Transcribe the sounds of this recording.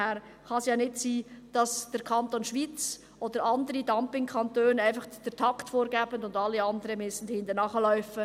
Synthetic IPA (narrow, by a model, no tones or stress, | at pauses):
hɛːɾ | χɑsjɑːnɪtsiːd̥ɑsd̥əɾkʰɑntoːnʃʋiːt͡s | ʔod̥əɾɑndəɾidɑmpɪŋkʰɑntøːnæɪnfɑχd̥ɛɾtʰɑktfoːɾɡɛːbəndʊndɑlːiɑndəɾəmɪsn̩dhɪndənɑχəlœʏfə